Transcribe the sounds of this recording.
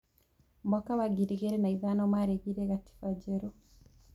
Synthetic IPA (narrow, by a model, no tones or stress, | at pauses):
mɔkawaɡiɾiɣeɾenaiðanɔmaɾeɡiɾeɣati̥fad͡ʒeɾu